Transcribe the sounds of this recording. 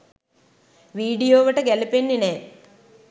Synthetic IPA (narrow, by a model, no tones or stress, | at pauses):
ʋiːɖijoːʋɐʈɐɡelipenːineː